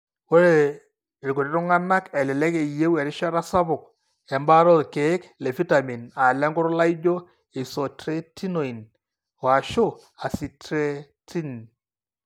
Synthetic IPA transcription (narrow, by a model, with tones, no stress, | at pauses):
o˦ɾe˦˨ | lko˨ɾe˦ɾʊ˦ŋa˦na˦kɛ˨lɪ˨lɛ˦ke˨je˦wɛ˨ɾɪ˦ʃa˦ɾa˦sa˦βʊ˨k̚ | ɛ˨mba˦ɾɔ˦ðke˨ɪ˦klɛ˨fi˦ta˨mi˨na˨lɛ˦ŋɡʊ˦ɾʊ˦la˦i˦d͡ʒo˦ | e˨so˨tɾe˦tʰi˦no˨i˨n | wa˨ʃʊ˦ | a˨si˨tɾe˦tʰi˦n